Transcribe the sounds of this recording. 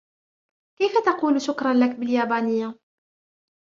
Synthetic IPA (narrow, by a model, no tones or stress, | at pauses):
kæjfæt̪ɑquːluʃʊkɾˤɑnlakbəljæːbaːnəjːa